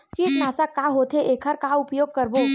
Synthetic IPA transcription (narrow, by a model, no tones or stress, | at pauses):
kinaːsakaɦoːt̪ʰeʔeːkʰəɾkaʊpjoːɡ̚kəɾbo